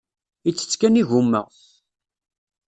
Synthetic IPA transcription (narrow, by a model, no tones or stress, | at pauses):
it͡sːə̥t͡sːkæniʝumːə̰ʁθ